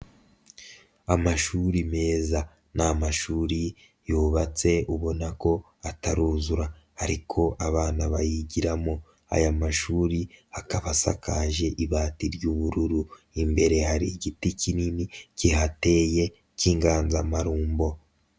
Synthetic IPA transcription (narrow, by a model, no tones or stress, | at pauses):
amaʃuɾime̞ːza | namaʃuːɾi | juːβat͡se̞uβo̞nako̞ | ataɾuːzuɾa | haɾikʰo̞ʔaβaːnaβajiɟiɾamo̞ | a̰jamaʃuːɾiakaβasa̰kaʒe̞ʔiβaːtiɾjuβuɾuɾu | imbe̞ɾe̞ɦaɾiɟiticininiciɦate̞ːje̞ | ciːŋɡaːnzamaɾuːmbo̞